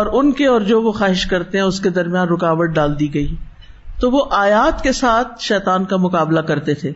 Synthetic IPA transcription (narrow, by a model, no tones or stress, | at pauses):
ɔːɾʊnkeɔːɾd͡ʒoːʋoxaːɦɪʃkɐɾt̪eɦɛ̃ʊsked̪ɐɾmijaːnɾʊkaːʋəʈ̪̚ɖaːld̪iɡɐiː | t̪oʋoʔaːjaːt̪kesaːt̪̚ʰʃɛːt̪aːnkamʊkaːblakɐɾt̪et̪ʰeː